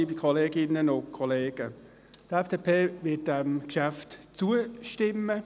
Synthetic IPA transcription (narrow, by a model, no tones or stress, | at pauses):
ibikʰɔleːɡɪnːənʊkʰɔleːɡ̥ə | tɛfd̥eːpʰeːʋɪt̚dɛmkʃæftt͡suəʃtɪmːə